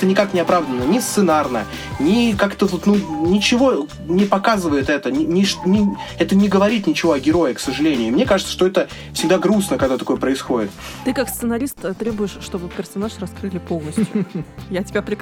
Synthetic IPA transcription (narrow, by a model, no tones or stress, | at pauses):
t̪ənʲɪkaknʲɪɐpɾavd̪ənːənʲɪst̪sɨnarnə | nʲɪkakt̪əvot̪nunʲɪt͡ɕɪvo̞ | nʲɪpɐkazɨvəjɪt̪ɛt̪ənʲɪnʲɪʂnʲɪɛt̪ənʲɪɡəvɐɾʲit̪nʲɪt͡ɕɪvo̞ɐɡʲɪɾo̞jɪksəʐɨlʲenʲɪʊɪmnʲe̞kaʐɨt̪səʂt̪o̞ɛt̪ə | fsʲɪɡ̚d̪aɡɾusnəkɐɡd̪at̪ɐko̞jəpɾəɪsxo̞dʲɪt̪̚t̪ɨkakst̪sɨnɐɾʲist̪t̪ɾʲebʊjɪʂːt̪obɨpʲɪrsɐnaʂrɐskɾɨlʲɪpo̞lˠnəsʲtjʊjatʲɪbʲapɾʲɪ